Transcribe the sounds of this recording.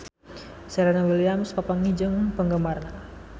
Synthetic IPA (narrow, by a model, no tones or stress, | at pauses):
sɛɾanawiliamspapaŋid͡ʒəŋpəŋɡəmarna